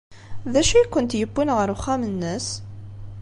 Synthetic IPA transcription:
ðæʃikʷːʊnt̪jəbːinʁəɾʊχːæmənːəs

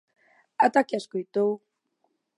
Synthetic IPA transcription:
at̪akiaskojt̪ow

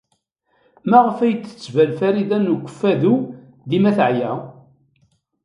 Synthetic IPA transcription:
mæʁəfæjt͡s̪ːə̥t͡sːvælfæɾiðænuɡʷə̥fːæðu | ðimæθʕjæ

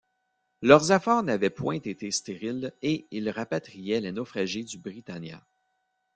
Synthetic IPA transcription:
lœʁzafɛːʁnavɛpwɛ̃t̪et̪est̪eʁileilʁapat̪ʁijɛlenɔfχaʒid̪ybʁit̪anjã̰

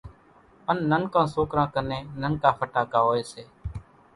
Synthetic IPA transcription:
ənːənkãːsoːkɾãːkəneːnənkaːpʰəʈaːkaːɦoːeːseː

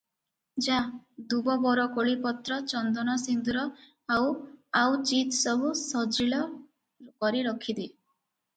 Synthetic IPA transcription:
d͡ʒad̪ubɔbɔɾɔkoɭipɔt̪ɾɔt͡ʃɔnd̪ɔnɔsind̪uɾɔ | awawt͡ʃit̪sɔbʱusɔd͡ʒɾilɔ | kɔɾiɾɔkʰid̪i

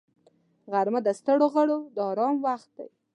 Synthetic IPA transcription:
ɣaɾməd̪əst̪əɽoɣəɽod̪əɑɾɑmwaxt̪̚d̪a̰j

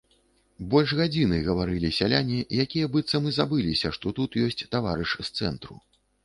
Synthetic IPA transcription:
bɔlʲʐɣad͡zʲinɨɣɐvaɾɨlʲisʲalʲanʲijakʲijɐbɨt̪sːɐmɨzabɨlʲisʲɐʂt̪ɔt̪ut̪jɔsʲt͡sʲt̪avaɾɨʂst̪sɛ̰nt̪ɾṵ

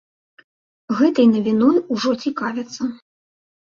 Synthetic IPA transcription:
ɣɛt̪ɐjnɐvʲinɔjuʐɔt͡sʲikavʲɛt̪sːɐ

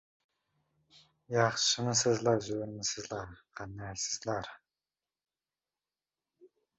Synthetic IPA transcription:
jɑχʃɨnɨsɨzlˠɑɾzøɾmɪsɪzlˠɑɾqʰɑnːæsɪzlˠɑɾ

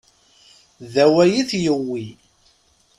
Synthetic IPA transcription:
ðæwæjiθjəwːi

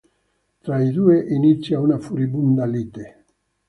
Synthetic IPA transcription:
t̪ɾaid̪ueʔinit̪sjaunafuɾibund̪alit̪e

